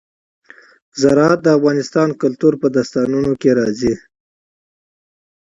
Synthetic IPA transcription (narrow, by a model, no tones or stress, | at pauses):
zaɾɑat̪̚d̪əafɣɑnɪst̪ɑnkʊlt̪uɾpəd̪ast̪ɑnunokeɾɑzi